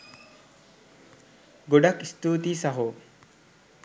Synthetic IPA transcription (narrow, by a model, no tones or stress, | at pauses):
ɡoɖɐkist̪uːt̪iːsɐɦoː